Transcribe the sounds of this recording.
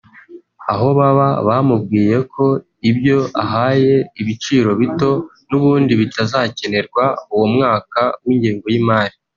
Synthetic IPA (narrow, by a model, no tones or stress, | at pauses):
aɦo̞βaβaβamub̚ɡiːje̞kʰo̞ | ibjo̞aɦaːje̞iβit͡ʃiːɾo̞βito̞ | nuβuːndiβitʰazace̞ne̞ɾɡwauwo̞mŋaːkawiːɲɟiːŋɡo̞jimaːɾi